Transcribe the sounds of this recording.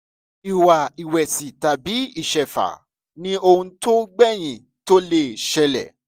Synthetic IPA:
i˨wa˨i˨wɛ˨si˨ta˨bi˨˦i˦˨ʃɛ˨fa̰˨ | nĩ˦o˧hũ˧to˦ɡ͡bɛ˦˨j̃ĩ˨ | to˦le˦˨ʃɛ˧lɛ̰˨

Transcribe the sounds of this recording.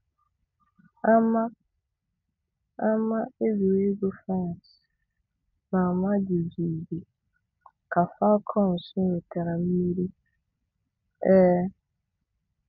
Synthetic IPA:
a˦mã˦ | a˦mã˦e˦bu˨˦i˦ɡo˦fã˦n˨s | mã˨mã˦d͡ʒi˨zi˨bi˨ | kʰa˨fa˦kʰɔ̃˦n̩˨sʊ̃˦o˨tʰɛ˨ɾa˨m̩˦i˦ɾi˦ | ɛ˦

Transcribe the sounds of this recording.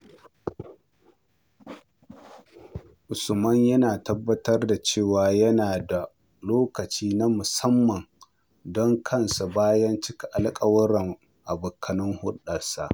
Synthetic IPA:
ʔʊ˨sʊ˨mɐ˦ɲjɐ˦naː˨tɐ˦bːɐ˦tɐ˦rda˨t͡ʃeː˦˨waː˨jɐ˦naː˨da˨ | loː˦kɐ˨t͡ʃiː˦na˦mʊ˨sɐ˦mːɐ˨ŋ | dɔ˦ŋkʰɐ˦nsa˨baː˦jɐ˦nt͡ʃɪ˦kʲi˨ʔa˨lkʼɐ˦wʊ˦ɽɐ˨ŋ | ʔa˨bʊ˨kʰːɐ˨nɪ˦ŋhʊ˦ɗɐ˨sa̰˨ʔ

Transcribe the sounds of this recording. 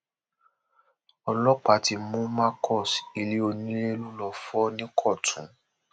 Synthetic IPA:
ɔ˧lɔ˦k͡pa˨ti˧˦mũ˦mã˦kʰɔ˦˨si˨li˦o˧nĩ˦le˦lu˦lɔ˦˨fɔ˦nĩ˦kʰɔ˦˨tʰũ˨˦

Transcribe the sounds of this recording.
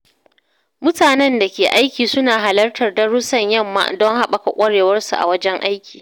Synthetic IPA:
mʊ˦taː˨nɛ˦nda˨kʲeː˨ʔa˦jkʲiː˨sʊ˦naː˨ɦa˨lɐ˦rtɐ˨rdɐ˦ɽʊ˦sɐ˦˨ɲjɐ˦˨mːa̰ː˦˨dɔ˦ŋha˦ɓa˨ka˨kʷʼɐ˦ɽeː˨wɐ˦rsu˨ʔa̰˨wɐ˦d͡ʒɛ˦ŋʔa˦jkʲi̥ː˨

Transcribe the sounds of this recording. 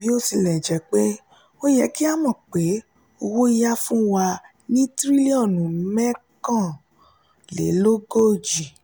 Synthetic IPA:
bi˨˦o˦si˧lɛ˨d͡ʒɛ˨k͡pe˦ | o˦jɛ˧˦ki˦a˦mɔ̃˨k͡pe˨˦ | o˧wo˦i˦ja˦fũ˦wa˧ | nĩ˦tɾi˦li˦ɔ̃˦˨nũ˨˦mɛ̃˦kã˦˨ | lḛ˨˦lo˦ɡo˦˨d͡ʒi˨

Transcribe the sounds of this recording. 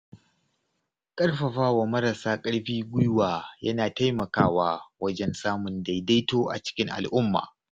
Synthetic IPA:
kʼɐ˦ɽɸɐ˨ɸaː˦wa˨mɐ˦ɾɐ˨saː˦kʼɐ˦ɽɸiː˦ɡʷʊ˦jwaː˨jɐ˦naː˨ta˦jmɐ˨kaː˦waː˦wɐ˦d͡ʒɛ˦nsaː˦mʊ˨nda˨jda˦jtoː˦ʔa̰˨t͡ʃɪ̥˦kʲɪ˦ŋʔa̰˨lʔʊ˦mːa̰ː˨

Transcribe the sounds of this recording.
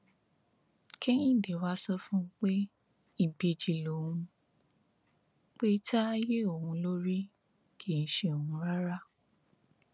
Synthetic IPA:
ke˦ĩ˦˨de˨wa˦sɔ˦fũ˦k͡pe˦ | i˦˨be˨d͡ʒi˨lo˨wũ˧ | k͡pe˦tʰa˦je˦o˨hũ˧˦lo˦ɾi˦ | kʰe˦˨ñ̩˦ʃe˦˨o˨hũ˨˧ɾa˦ɾa˦

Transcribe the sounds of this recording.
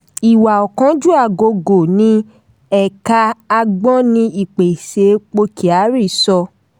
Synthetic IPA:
i˨wa˨ɔ˨kã˨˦d͡ʒu˦a˦˨ɡo˧ɡo˨nĩ˧˦ | ɛ˨ka˧a˧ɡ͡bɔ̃˦nĩ˧i˨k͡pe˨se˨˦k͡po˧kʰi˨a˨˦ɾi˦˨sɔ˧

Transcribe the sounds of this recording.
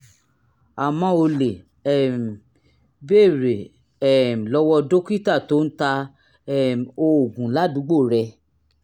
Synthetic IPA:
a˨mɔ̃˧˦o˧le˨ | ɛ˦˨m˨ | be˦˨ɾe˨ | ɛ˦˨m̩˨lɔ˧˦wɔ˧do˦ki˦˨ta˦˨to˦n̩˦ta˧ | ɛ˦˨m˨o˧o˨ɡũ˨˦la˦˨dũ˨˦ɡ͡bo˦˨ɾɛ˧

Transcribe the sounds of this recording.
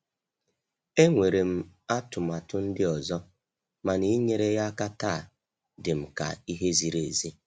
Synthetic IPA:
e˦ŋʷe˨ɾe˨m̩˦a˦tʊ˨ma˨tʊ˦n̩˦dɪ˦ɔ˨zɔ˦ | ma˨ni˦ɲe˨ɾe˦ja˦ka˦ta˦˨ | dɪ˨m̩˨ka̰˨i˦ɦe˦zi˨ɾe˨zi˦

